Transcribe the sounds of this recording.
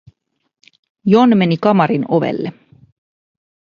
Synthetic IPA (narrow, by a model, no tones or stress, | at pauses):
jonme̞nikɑmɑɾino̞ʋḛlːe